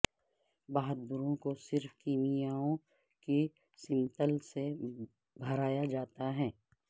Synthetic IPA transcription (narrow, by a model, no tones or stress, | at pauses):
baːɦət̪̚bʊɾõkosɪɾfkiːmijaːõ | ki | sɪ̃mt̪əlse | bʱɐɾaːjad͡ʒaːt̪aɦɛ̃ː